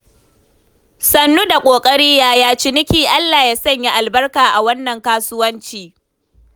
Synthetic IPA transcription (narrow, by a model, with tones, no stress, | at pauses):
sɐ˨nːu˦da˨kʷʼoː˨kʼɐ˦ɽiː˦jaː˦jaː˦t͡ʃɪ˨nɪ˦kʲiː˨ʔa˦lːaː˨jaː˦sɐ˦˨ɲja˦ʔa˨lbɐ˦rkaː˨ʔa˨wɐ˦nːɐ˨ŋkaː˦sʊ˦wɐ˦nt͡ʃiː˨